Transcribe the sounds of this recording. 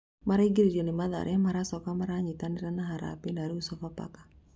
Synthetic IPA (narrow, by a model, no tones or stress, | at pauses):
maɾaiɡiɾid͡ʒɔnimad̪a̰ɾamaɾasɔkamaɾaɲit̪aniɾanaɦaɾa̰pinaɾiusafapa̰kḁ